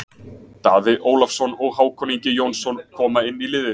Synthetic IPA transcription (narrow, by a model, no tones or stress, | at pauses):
t̪aːðɪʔoːwlafsɔnɔɣhaːwkʰɔniɲcɪjownsɔnkʰɔːmaɪnːilɪːðɪ